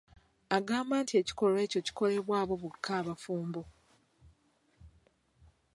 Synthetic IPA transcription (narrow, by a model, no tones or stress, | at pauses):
aɡaːmbaːntie̞ci̥ko̞lwe̞ːco̞ci̥ko̞le̞βwaːβo̞βukʰːaːβafuːmbo